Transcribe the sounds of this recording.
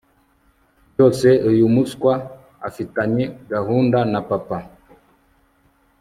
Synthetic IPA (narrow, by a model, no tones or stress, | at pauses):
ɔsɛʔɔjumuskwa | a̰fitaɲɛɡahundanapapa